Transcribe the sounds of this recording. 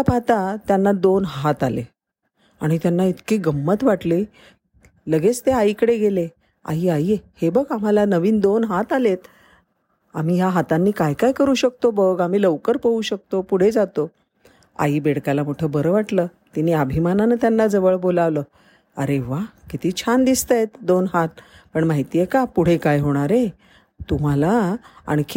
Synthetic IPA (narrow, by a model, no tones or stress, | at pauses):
apat̪at̪janːad̪onɦat̪alḛ | aɽ̃it̪janːait̪kiːɡəmːət̪ʋaʈli | ləɡet͡st̪eaikəɽeɡele | a̰iːaiehebəɡam̤alanəʋiːnd̪onɦat̪alet̪ | amiːjaɦat̪anːiːkajkajkəɾuːɕək̚t̪obəɡam̤iːləʋkəɾpəuːɕək̚t̪opuɽ̤ed͡zat̪o | a̰iːbeɽkalamoʈʰəːbəɾəʋaʈləː | t̪iniəbʱimananət̪janːad͡zəʋəɭbolaʋləː | əɾeʋakit̪iːt͡ɕʰand̪ist̪əjet̪d̪onɦat̪̚pəɳmaɦit̪iːjekapuɽ̤ekajɦoɽ̃aɾe | t̪um̤alaa̰ɳik